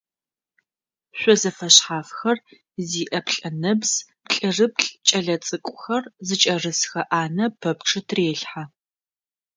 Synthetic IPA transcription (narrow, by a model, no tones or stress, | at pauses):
ɕʷɔzɐfɐɕħaːfxɐr | ziːʔɐpɬʼɐnɐbz̥pɬʼɨrɨp̚ɬʼt͡ʃʼɐɮɐt͡sʼɨkʷʼʊxɐrzɨt͡ʃʼɐrɨsxɐʔaːnɐpʰɐpʈ͡ʂʰɨtʰreːɬħa